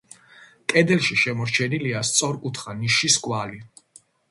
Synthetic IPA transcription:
kʼɛd̪ɛlʃiʃɛmɔɾt͡ʃʰɛniliast̪sʼɔɾkʼut̪ʰχaniʃiskʼwali

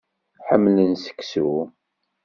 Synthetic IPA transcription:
ħəmːlənsə̥kːsu

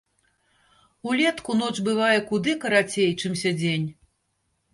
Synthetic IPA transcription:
ulʲɛt̪kunɔt͡ʂbɨvajɛkud̪ɨkɐɾat͡sʲejt͡ʂɨmsʲad͡zʲenʲ

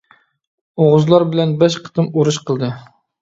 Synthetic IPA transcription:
oʁʊzlˠɑɾbɪlɛnbæʃ̬qʰə̥t̪ɨmuɾuʃqʰəlˠd̪ɨ

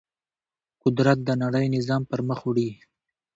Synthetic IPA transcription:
qʊd̪ɾat̪̚d̪ənaɽəjnɪzɑmpəɾməxɽi

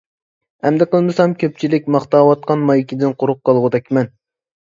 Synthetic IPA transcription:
ɛmd̪ɪqəlˠmɨsɑmkʲʰøp̚t͡ʃʰilɪk̚ʲmɑχt̪ɑːwɑt̪̚qɑnmɑjikʲid̪ɪnqʰʊɾʊq̚qːɑlˠʁʊd̪ɛkʲʰmɛn

